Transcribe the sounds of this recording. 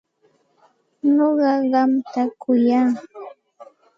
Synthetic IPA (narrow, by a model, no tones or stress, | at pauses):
noɢɑɢɑmt̪akʊjaː